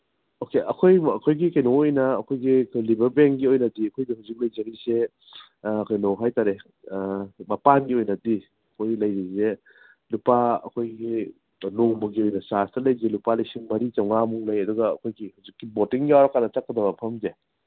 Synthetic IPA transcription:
okeʔɐkʰojɐkʰojɡikɐjnoŋojnɐːkʰojɡiɐkʰojlibɐɾbeŋkɡiojnɐdiɐkʰojdihawzik̚lɐjd͡ʒɐŋise | ɐkʰojnoɦajtaɾe | mɐpanɡiojnɐdi | ɐkʰojɡlɐjɾize | lupaɐ̰kʰojɡi | noŋbɐɡiojnɐsastɐlɐjzelupalɐjsiŋmɐɾit͡ʃawŋamuŋlɐjɐduɡɐ̰ːkʰojɡihawzikːibotiŋjawɾɐkanːɐt͡ʃɐkːɐdɐbɐpʰɐmze

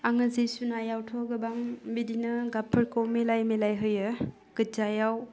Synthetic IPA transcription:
aŋɯzisunajawtʰɔɡɯbaŋbidinɯɡapʰɯɾkowmelajmelajɦɯjɯ | kɯzajaw

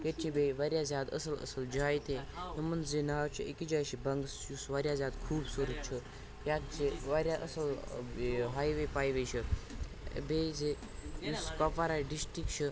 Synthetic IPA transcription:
ket͡ʃʰibeʋaɾʲjazʲaːd̪ə̰sələ̰səld͡ʒaːjt̪eɦimɐnzenaːwt͡ʃʰiekid͡ʒaːjʃibɐŋɡsjusʋaɾʲjazjaːd̪kʰuːbsuɾət̪̚t͡ʃʰi | jjaːd̪̚t͡seʋaɾjaʔəsɐl | ɦaːjʋepaːjʋeʃi | beze | juskɔpaɾaɖisʈɾikʃʰə

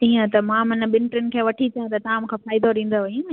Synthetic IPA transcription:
iːə̃t̪ɐmãmɪ̃nɓɪnʈɾɪnɪ̆kʰeːʋɐʈʰit͡ɕɐjãt̪ɐt̪ɐʋãmũːkʰẽfaːɪd̪oɾĩːn̆d̪oʋɐjũ

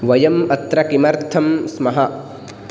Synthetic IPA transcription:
ʋɐjɐmɐt̪ɾɐkimɐɾt̪ʰɐmsmɐɦɐ

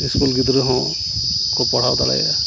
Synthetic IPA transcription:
iskulɡid̪ɾeɦɔ̃ | kɔpɔɽ̤awt̪ala̰ja̰

